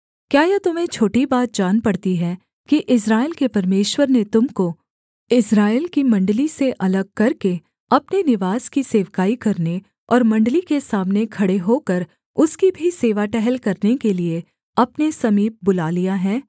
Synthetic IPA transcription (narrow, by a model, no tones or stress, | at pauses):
kjaːjat̪ʊmẽt͡ʃʰoːʈibaːt̪̚d͡ʒaːnpɐɽ̤t̪iɦɛ | kiʔɪsɾaːɪlkepɐɾmeːʃwəɾnet̪ʊmko | ɪsɾaːɪlkimɐ̃ɳɖliseʔɐləɡ̚kɐɾke | ɐpnenɪʋaːzkiseːʋkaːikɐɾne | ɔ̰ːɾmɐ̃ɳɖlikesaːmnekʰɐɽeɦoːkəɾ | ʊskibʱiseːʋaʈɛɦɛlkɐɾnekelie | ɐpnesɐmiːp̚bʊlaːlijaɦɛː